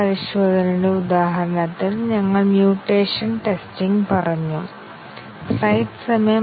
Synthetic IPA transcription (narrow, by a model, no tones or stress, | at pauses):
ɐɾiɕoːd̪ʱɐniɽeud̪aːɦɐɾɐɳɐt̪ːilɲɐŋːɐɭmjuːʈːeːʂɐnʈe̞stiŋɡpɐrɐɲːu | sɐjʈɨ̥sɐmɐjɐ